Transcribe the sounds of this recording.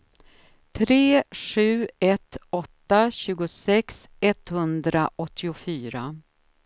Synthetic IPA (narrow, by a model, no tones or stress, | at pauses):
t̪ʰɾeːɧʉ̟ːɛt̪ːɔt̪ːaɕʉ̟ːɡʊsɛksɛt̪hɵnd̪ɾaʔɔt̪ʰːɪʊfyːɾa